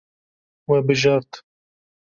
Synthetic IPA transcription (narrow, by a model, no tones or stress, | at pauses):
wɛbɨʒɑɾt̪